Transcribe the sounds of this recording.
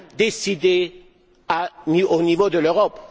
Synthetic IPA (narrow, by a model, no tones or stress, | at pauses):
d̪esid̪e | aionivod̪əløʁɔp